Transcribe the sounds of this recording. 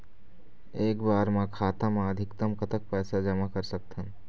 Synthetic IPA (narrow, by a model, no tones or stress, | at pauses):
eːkbaːɾmãkʰaːt̪amãəd̪ʱɪkt̪əmkət̪ək̚pɛːsad͡ʒɐmakɐɾsɐk̚t̪ʰə̃